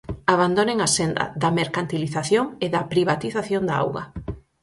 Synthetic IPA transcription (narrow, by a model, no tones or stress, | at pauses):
aβand̪oneŋasend̪ɐ̰ðɐmeɾkant̪iliθaθjoŋeðɐpɾiβat̪iθaθjond̪aa̰wɣɐ̰